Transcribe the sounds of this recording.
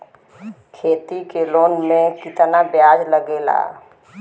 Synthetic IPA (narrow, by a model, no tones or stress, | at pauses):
kʰeːt̪ikeloːnmẽkɪt̪nabjaːd͡ʒləɡeːla̰ː